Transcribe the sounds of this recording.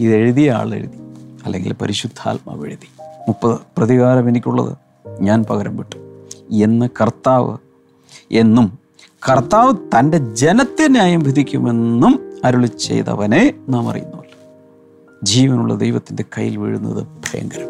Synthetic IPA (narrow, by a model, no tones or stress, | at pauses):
iðe̞ɻiðija̰ːɭḛɻuðiɐlːeŋɡḭlpɐɾiɕud̪ʱʰa̰ːlmɐ̰ʋeɻiðimupːɐðɨprɐðiɣaːɾɐme̞nikʲːuɭːɐ̰ðɨ̰ | ɲaːnpɐɣɐɾɐmbiʈːu̥e̞nːɨkɐrt̪ːaːʋɨ̰ | e̞nːum | kɐrt̪ːaːʋɨt̪ɐnde̞d͡ʑe̞nɐt̪ːenjaːjɐmbʱid̪ʱikʲːume̞nːumɐɾuɭit͡ɕːe̞̰jt̪ɐ̰ʋɐne̞naːmɐ̰rḭjṵnːuʋɐlːu | d͡ʑiːʋɐnuɭːɐ̰d̪ejʋɐt̪ːinde̞kɐjːḭlʋiɻunːɐ̰ðɨb̥ʱrɐjɐ̰ŋɡɐɾɐm